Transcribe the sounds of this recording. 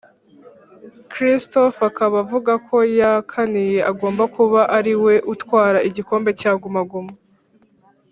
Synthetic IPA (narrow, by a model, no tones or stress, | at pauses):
kɾisto̞fakaβavuɡakʰo̞jakʰanije̞aɡo̞ːmbakuβaʔaɾiwe̞ʔutwaːɾaʔiɟiko̞ːmbe̞caːɡumaɡuma